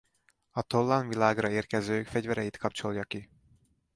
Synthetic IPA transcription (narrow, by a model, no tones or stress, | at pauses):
ɒt̪olːɒnvilaːɡrɒeːrkɛzøːkfɛɟvɛɾɛjit̪kʰɒpt͡ʃo̞ljɒki